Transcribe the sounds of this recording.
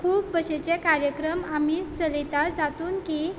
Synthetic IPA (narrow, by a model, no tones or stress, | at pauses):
kʰuːpbəɕet͡ɕẽkaɾjəkɾəmamit͡səlit̪ad͡zat̪uːnki